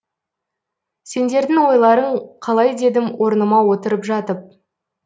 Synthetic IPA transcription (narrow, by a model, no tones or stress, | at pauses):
se̞nd̪e̞ɾd̪ɪŋwo̞jlˠɑɾəɴqʰɑlˠɑjd̪e̞d̪ɪmwʔo̞ɾnəmɑwo̞t̪əɾəpʒɑt̪əp̚